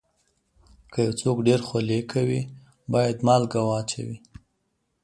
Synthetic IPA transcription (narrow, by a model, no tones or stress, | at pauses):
kʰəjawt͡sokɖeɾxalekʰawi | bɑjad̪mɑlɡawɑt͡ʃa̰wi